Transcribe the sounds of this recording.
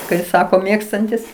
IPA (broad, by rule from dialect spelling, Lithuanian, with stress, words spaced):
kɐɪ ˈsɑːkoː ˈmʲeːkstɐnʲtʲɪs